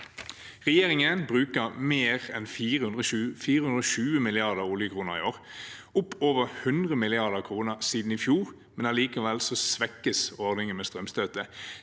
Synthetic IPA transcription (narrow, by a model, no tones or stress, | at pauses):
ʁɛjeːʁɪŋənbʁʉːkəʁmeːʁɛnfiːʁəhʉnʁəʃʉfiːʁəhʉnɔʃʉːəmɪlɪɑʁd̪əʁuːlɪəkʰʁuːnəʁɪ̰oːʁ | ʊpːoːʋəʁhʉnd̪ʁəmɪlɪɑʁd̪əʁkʰʁuːnəʁsiːd̪n̩ɪfjuːʁ | mɛnæliːkəʋɛlsɔsʋɛkːəsɔʁd̪ɪŋəmeːst̪ʁœmst̪øːt̪ə